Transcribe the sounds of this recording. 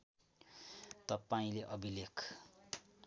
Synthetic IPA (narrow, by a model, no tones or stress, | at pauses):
t̪ʌpaĩleʔʌbilekʰ